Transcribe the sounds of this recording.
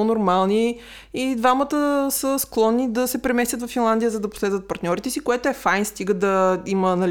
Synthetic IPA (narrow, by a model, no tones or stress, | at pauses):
onoɾmalˠni | id̪vamət̪əsəsklˠɔnːid̪ɐsɛpɾɛmɛst̪ʲjət̪vɐfːinlˠand̪ijəzɐd̪ɐpʊ̥slɛd̪vət̪̚pɐɾt̪nʲɔɾit̪ɛsikoɛt̪oɛfajnst̪iɡəd̪ɐiməːnɐl